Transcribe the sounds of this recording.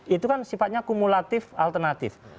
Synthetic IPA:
it̪ukansifat̪̚ɲakumulat̪ɪfalt̪ərnat̪ɪ̰f

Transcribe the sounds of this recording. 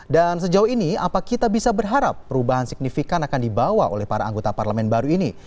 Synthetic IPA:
dans̬əd͡ʒauinia̰pakit̪abisabərɦaɾapːəɾubaɦansik̚nifikanakandibawao̰lɛhpaɾaaŋɡot̪aparləmɛnbaɾuini

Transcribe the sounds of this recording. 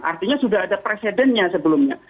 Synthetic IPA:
ʔa̰rt̪iɲasudaɦadapɾesedɛnɲasəbəlʊmɲa̰

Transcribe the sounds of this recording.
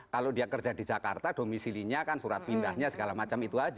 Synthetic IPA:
kalodiakərd͡ʒadid͡ʒaka̰rt̪ad̥omisiliɲakansuɾat̪̚pindahɲasəɡalamat͡ʃamit̪uad͡ʒ

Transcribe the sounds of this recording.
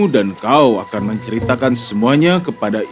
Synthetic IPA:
udankawakanməɲt͡ʃəɾit̪akansəmuaɲakəpada

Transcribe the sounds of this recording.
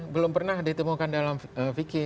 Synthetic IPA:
bəlʊmpərnahdit̪əmukandalaməfikɪ

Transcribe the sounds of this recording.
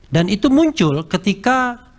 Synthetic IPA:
danit̪umuɲt͡ʃʊlkət̪ika

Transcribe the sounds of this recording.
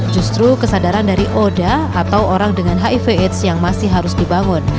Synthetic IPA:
d͡ʒust̪ɾukəsadaɾandaɾiʔodaː | t̪awoɾaŋdəŋanɦaifeɛt̪sjaŋmasɪɦaɾʊsdibaŋʊn

